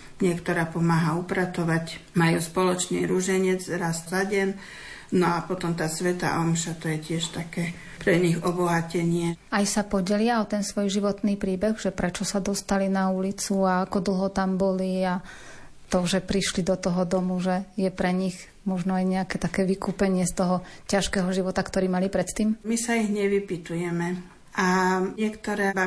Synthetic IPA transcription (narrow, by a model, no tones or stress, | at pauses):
ɲɪɛkt̪ɔɾaːpɔmaːɦaupɾat̪ɔʋacmajuspɔlɔt͡ʃnḭːɾuʒɛɲɛd͡zɾast̪zaɟɛn | nɔapɔt̪ɔmt̪aːsʋɛt̪a̰ːʔɔmʃat̪ɔjɛcɪɛʃt̪akɛː | pɾɛɲiɣɔbɔɦacɛɲɪɛajsapɔɟɛlɪaɔt̪ɛnsʋɔjʒiʋɔt̪niːpɾiːbɛɣʒɛpɾɛt͡ʃɔsad̪ɔst̪alinaulit͡suaakɔd̪l̩ˠɦɔt̪ambɔlia | t̪ɔʒɛpɾiʃlid̪ɔt̪ɔɦɔd̪ɔmuʒɛjɛpɾɛɲiɣ | mɔʒnɔajɲɛakɛːt̪akɛːʋikuːpɛɲɪɛst̪ɔɦɔcaʃkɛɦɔʒiʋɔt̪akt̪ɔɾiːmalipɾɛt̪t̪iːmmisaiɣɲɛʋipit̪ujɛmɛ | ʔaɲɪɛkt̪ɔɾɛːba